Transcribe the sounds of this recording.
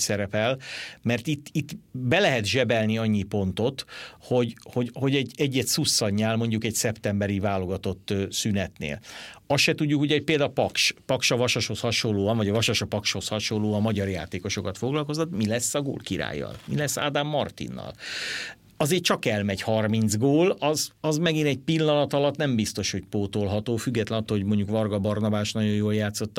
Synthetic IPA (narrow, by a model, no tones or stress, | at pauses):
sɛɾɛpɛlmɛrt̪it̪ːit̪ːbɛlɛɦɛt̪ʒɛbɛlniɒɲːipo̞nt̪o̞t̪ho̞ɟho̞ɟho̞ɟɛɟɛɟːɛt̪susːɒɲɲːaːlmo̞ɲɟukɛcsɛpt̪ɛmbɛɾivaːlo̞ɡɒt̪o̞t̪ːsynɛt̪nḛːlɒsʃɛt̪uɟːukhoɟɛoc̚peːld̪apɒkʃpɒkʃɒvɒʃoʃho̞shɒʃolːoːɒnvɒɟɒvɒʃoʃɒpɒkʃho̞shɒʃolːoːɒmɒɟɒrja̰ːt̪eːko̞ʃo̞kɒt̪fo̞ɡlɒlko̞zɒt̪milɛsːɒɡo̰ːlkiɾa̰ːjːɒ̰lmilɛsːa̰ːd̪amːɒrt̪ḭnːɒ̰l | ɒzeːt͡ʃɒkɛlmɛɟhɒrmind̪zɡoːlɒzɒzmɛɡinɛɟ̚pilːɒnɒt̪ɒlɒt̪nɛmbist̪o̞ʃho̞cpoːt̪olɦɒt̪oːfyɡːɛt̪lɛnɒt̪ːooɟmo̞ɲɟukvɒrɡɒbɒrnɒbaːʃnɒɟo̞joːljaːt̪so̞t̪ː